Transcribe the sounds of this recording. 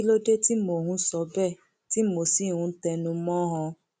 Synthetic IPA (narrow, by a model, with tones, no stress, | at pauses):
lo˦de˦ti˦mo˨hũ˨˧˦sɔ˧˦bɛ˦˨ | ti˦mo˨si˦˨hũ˨˧˦tɛ˧nũ˧˦mɔ̃˦ɦɔ̃˧